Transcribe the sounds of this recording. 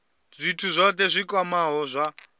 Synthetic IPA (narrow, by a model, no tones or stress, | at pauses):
ʐ̥ʷitʰuzʷɔtɛzʷikʼwamaɦɔzʷa